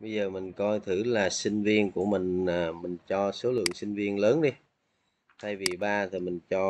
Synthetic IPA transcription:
ɓə˧jzəː˨˩mï˨˩ŋ̟kɔ˧jt̪ʰɨ˧˩laː˨˩sï˧ŋ̟vi˧ənku˧˩əmï˨˩ŋ̟aː˨˩mï˨˩ŋ̟t͡ɕɔ˧so˨˦lɨ̰˧˨əŋsï˧ŋ̟vi˧ənləː˨˦nɗi˧ | t̪ʰa˧jvi˨˩ɓaː˧t̪ʰi˨˩mï˨˩ŋ̟t͡ɕɔ˧

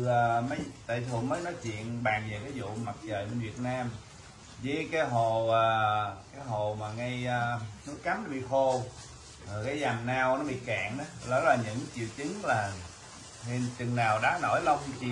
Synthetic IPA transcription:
əː˨˩mə˨˦jt̪a̰ː˧˨jt̪ʰṵ˨˧˨nməː˨˦jnɔ˨˦jt͡ɕwḭ˧˨ənɓaː˨˩ŋvə˨˩kaː˨˦jzṵ˧˨ma˨˩t̚t͡ɕəː˨˩jɓe˧nvi˨˩ət̚naː˧m | zəː˨˦jkaː˨˦jɦo˨˩əː˨˩kaː˨˦jɦo˨˩maː˨˩ŋa˧jəː˧nɔ˨˦˥jka˨˦mnɔ˨˦ɓḭ˧˨xo˧˩ | əː˨˩jkaː˨˦jza˨˩mnaː˧wnɔ˨˦ɓḭ˧˨ka̰ː˧˨nʔa˨˦lɔ˨˦laː˨˩ɲɨ̰˧˥ŋt͡ɕḭ˧˨əwt͡ɕɨ˨˦ŋlaː˨˩ | hi˧nt͡ɕɨ˨˩ŋnaː˨˩wɗa̰ː˧˨˦no̰˧˩˦jlə˧wŋ͡mt͡ɕ

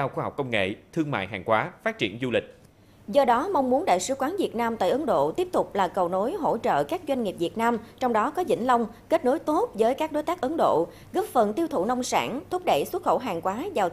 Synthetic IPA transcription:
ɗaː˧wxaː˧ha˨˩k͡p̚kə˧wŋ͡mŋḛ˧˨t̪ʰɨ˧əŋma̰ː˧˨jɦaː˨˩ŋkwaː˨˦faː˦˥t̚t͡ɕi˧˩ənzu˧lï˨˩k̟̚ | zɔ˧ɗɔ˨˦ma˧wŋ͡mmu˨˦ənɗa̰ː˧˨jsɨ˨˧˩kwaː˨˦nvi˨˩ət̚naː˧mt̪a̰ː˧˨jʔə˨˦nɗo̰˧˨t̪i˦˥əp̚t̪ʊ˨˩k͡p̚laː˨˩kə˨˩wno˨˦jɦo̰˧˥t͡ɕə̰ː˧˨kaː˦˥k̚zwa˧jŋ̟ŋi˨˩p̚vi˨˩ət̚naː˧mt͡ɕɔ˧wŋ͡mɗɔ˨˦kɔ˨˦zḭ˧˩ŋ̟lə˧wŋ͡m | ke˦˥t̚no˨˦jt̪o˦˥t̚vəː˨˦jkaː˦˥k̚ɗo˨˦jt̪a˦˥k̚ʔə˨˦nɗo̰˧˨ | ɣə˦˥p̚fə˨˩nt̪i˧wt̪ʰṵ˧˩nə˧wŋ͡msaː˧˩nt̪ʰʊ˦˥k͡p̚ɗə˧˨jswə˦˥t̚xə̰˧˩ɦaː˨˩ŋkwaː˨˦zaː˨˩w

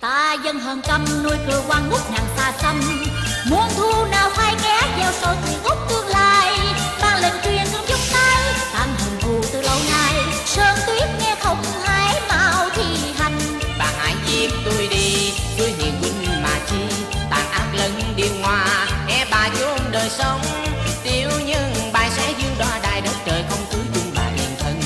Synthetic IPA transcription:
t̪aː˧˩zə˧nɦəː˨˩nkə˧mno˧jkɨ˨˩əkwaː˧ŋŋʊ˦˥k͡p̚naː˨˩ŋsaː˧˩sə˧n | mu˨˧˩ənt̪ʰu˧naː˨˩wfʰaː˧jkɛ˨˧˥vaː˨˩wsɔ˧˩jt̪i˨ŋʊ˦˥k͡p̚t̪ɨ˧əŋlaː˨j | ɓaː˨˩nlə˨˩ŋ̟t͡ɕwi˧˩ənzɨ˧əŋzʊ˦˥ŋ͡m̚t̪aː˧jt̪aː˧˩ŋɦə˨˩nt̪ʰu˨˩t̪ɨ˨˩lə˧wnaː˨˧˩j | səː˧nt̪wi˦˥ət̚ŋɛ˧t̪ʰə˨˧˩wŋ͡mhaː˨˧˦jmaː˧˨wt̪ʰi˧˩ | ha˨˩jŋ̟ | ɓa̰ː˨˩nha̰ː˧˩jzi˧˩t̪o˧jɗi˧ | t̪u˧jɦḭ˨ənkwi˧nɲɨ˧ma̰ː˨˩t͡ɕi˧ | ɓa̰ː˨˩nʔaː˦˥k̚lə˧nɗi˨˩ənŋwaː˨˩ʔɛ˧ɓaː˨˩zu˨˧˦ʔŋ͡mɗəː˨˩jsə˨˦wŋ͡mt̪i˧˩wɲɨ˧ŋɓaː˨˩jsɛ˨˦˥zɨ˧əŋɗwaː˧˩ɗaː˨˩jɗə˨˦˥n̚t͡ɕəː˨˩jxə˧wŋ͡mt̪ʰu˨˦zʊ˧ŋ͡mla̰ː˨˩ʔḭ˧˩ənt̪ʰə˧n

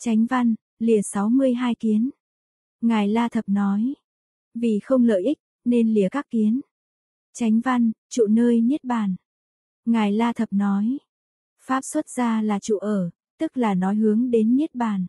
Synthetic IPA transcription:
t͡ɕa˨˦jŋ̟va˧n | li˨˩əsa˨˦wmɨ˧əjɦaː˧jki˨˦ən | ŋaː˨˩jlaː˧t̪ʰə˨˩p̚nɔ˨˦j | vi˨˩xə˧wŋ͡mlə̰ː˧˨jʔi˦˥k̟̚ | ne˧nli˨˩əkaː˦˥kːi˨˦ən | t͡ɕa˨˦jŋ̟va˧nt͡ɕṵ˧˨nəː˧jɲi˦˥ət̚ɓaː˨˩n | ŋaː˨˩jlaː˧t̪ʰə˨˩p̚nɔ˨˦j | faː˦˥p̚swə˦˥t̚z̥aː˧laː˨˩t͡ɕṵ˧˨ʔəː˧˩ | t̪ɨ˦˥k̚laː˨˩nɔ˨˦jɦɨ˨˦əŋɗe˨˦nːi˦˥t̚ɓaː˨˩n

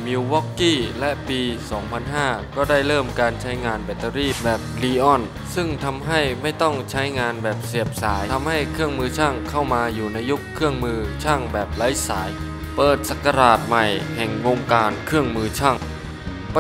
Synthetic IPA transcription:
miː˧wwɔ˦˥kːiː˥˩lɛ˦˥ʔpiː˧sɔː˩˦ŋpʰa˧nɦaː˥˩kɔː˥˩da˥˩jɾɤː˥˩mkaː˧nt͡ɕʰa˦˥jŋaː˧nbɛ˨˧˩t̪a˧ɾiː˥˩bɛː˨˩p̚liː˧ʔɔ˥˩n | sɯ˥˩ŋt̪ʰa˧mɦa˥˩jma˥˩jt̪ɔ˥˩ŋt͡ɕʰa˦˥jŋaː˧nbɛː˨˩p̚si˨˩əp̚saː˩˦jt̪ʰa˧mha˥˩jkʰɯ˥˩əŋmɯː˧t͡ɕʰaː˥˩ŋkʰa˥˩wmaː˧juː˨˩na˧jːu˦˥kʰːɯ˥˩əŋmɯː˧t͡ɕʰaː˥˩ŋbɛː˨˩p̚la˦˥jsaː˩˦j | pɤː˨˩t̪̚sa˨˧˩kːa˧ɾaː˨˩t̪̚ma˨˩jhɛ˨˩ŋwoː˧ŋkaː˧nkʰɯ˥˩əŋmɯː˧t͡ɕʰaː˥˩ŋ | p

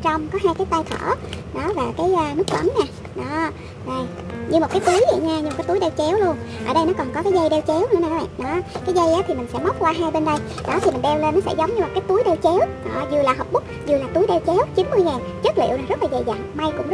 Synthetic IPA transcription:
t͡ɕɔ˧wŋ͡mkɔ˨˦ɦaː˧jkaː˨˦jt̪aː˧jxʰə̰˧˩ | ɗɔ˨˦vaː˨˩kaː˨˦jʔːnɨ˦˥k̚ɓə˨˦mɲaː˨˩ | ɗɔ˨˦ | zo˨˩j | ɲɨ˧mo˨˩t̚kaː˨˦jt̪u˨˦əjzə̰˧˨ɲaː˧ɲɨ˧˩˧kaː˨˦jt̪u˨˦jɗe˧wt͡ɕɛ˨˦wlu˧ənʔə̰ː˧˩ɗə˧jnɔ˨˦kɔ˨˩nkɔ˨˦kaː˨˦jzə˧jɗe˧wt͡ɕɛ˨˦wn˧˦nː˨˩kːaː˨˦ɓa̰ː˧˨nɗɔ˨˦kaː˨˦jzə˧jʔaː˨˦t̪ʰi˨˩mï˨˩ŋ̟sɛ̰˧˥ma˦˥k͡p̚kwaː˧ɦaː˧jɓe˧nɗə˧j | ɗɔ˨˦t̪i˨˩mi̟˨˩ɗɛ˧wle˧nːɔ˨˦sɛ̰˧˥zə˨˦wŋ͡mmɲɨ˧m˨˩t̚kaː˨˦jt̪u˨˦jɗɛ˧wt͡ɕɛ˨˦wɗɔ̰˧˩zɨ˨˩laː˨˩ɦəː˨˩p̚ɓʊ˦˥k͡p̚zɨ˨˩əlaː˨˩t̪u˨˦jɗe˧wt͡ɕɛ˨˦wt͡ɕi˨˦nmɨ˧əjŋɛː˨˩nt͡ɕə˦˥k̚lḭ˧˨wna˨˩zə˦˥t̚laː˨˩zə̰˨˩jza̰ː˨ŋma˧jkʊ̰˧˥ŋ͡mzə˦˥

